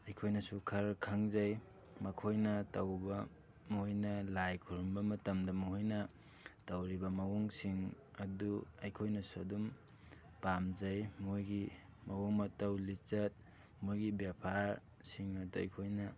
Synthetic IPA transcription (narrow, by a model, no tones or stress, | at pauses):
ɐjkʰojnɐsukʰɐɾkʰaŋzɐj | mɐkʰojnɐtɐwbɐ | mojnɐlajkʰuɾumbɐmɐtɐmdɐmuɦojnɐ | tɐwɾibɐmɐwuŋsiŋ | ɐduɐjkʰojnɐsuɐdum | pamzɐjmojɡimɐwoŋɐtɐwlit͡ʃɐt̚ | mojɡibjapʰaɾ | siŋɐduɐ̰jkʰojnɐ